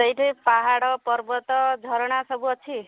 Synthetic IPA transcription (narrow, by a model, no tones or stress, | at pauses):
t̪ʌjʈʰijpaɦaɽɔpʌɾbʌt̪ɔd͡zʱʌɾɽasʌbuʌt͡ʃʰi